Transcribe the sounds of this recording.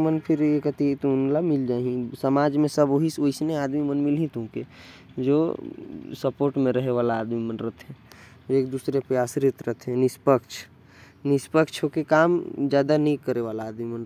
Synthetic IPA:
mənpʰɪɾekət̪it̪onlamɪld͡ʒaːɦĩsəmaːd͡ʒmẽsəboɦisoɪsneaːd̪mimənmɪlɦĩt̪ũke | d͡ʒoː | səpoːɾʈmẽɾəɦeʋaːlaːd̪mimənɾət̪ɦɛ̃ | d͡ʒoeːk̚d̪uːsɾepɾəjaːsɾɪt̪ɾət̪ɦɛ̃nɪspəkʃʰ | nɪspəkt͡ʃʰɦokekaːmd͡ʒjaːd̪anəĩkəɾeʋaːlaːd̪mimən

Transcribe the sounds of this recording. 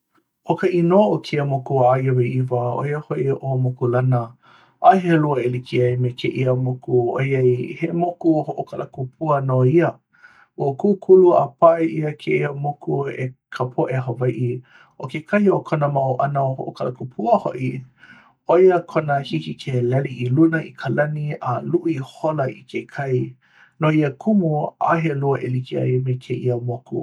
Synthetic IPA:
ʔokəʔinoʔokʰeəmokuajweivəo̰jəhoʔiʔomokulɐnə | ʔaɦeluəelikiɐjmekʰeʔiəmokuo̰jajhemokuohoʔokʰalʔɐkupʰuənoiə | okukʰuluapaʔeʔiəkʰeʔiəmokuḛkʰapʰoʔeɦəvajʔi | okekʰɐiokʰonəmawʔɐnəoho̰ʔokʰalɐkupʰuəhoʔi | ojəkʰonəhikikʰelɛliʔilunəikʰəlɐnialuʔiholəikʰekʰɐj | noiəkʰumua̰heluɐʔelikiɐ̰jmekʰeʔiəmokṵ

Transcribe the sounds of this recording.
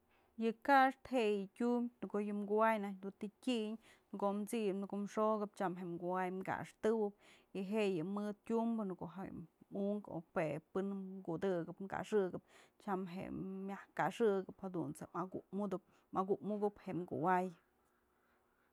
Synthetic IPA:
jɨkaʂt̪heʔjɨtʲumʲnkojɨmɡuwajnaɲd̪unt̪itʲiʔɲnkoʔmt͡sipnɡumʂoɡɨp̚t͡ʃamɦeʔmɡuwajmɡa̰ʂt̪ɨwɨp̚ | iɦeʔjɨmɨd̪̚tʲumbɨnkoʔɦḛmuʔŋko̰pepɨnɡud̪ɨɡɨpmka̰ʂɨɡɨp̚t͡ʃamɦḛmjahkaʂɨɡɨphad̪unt͡sead̪ɨ | maɡuʔmuɡɨpheʔmɡṵwaj

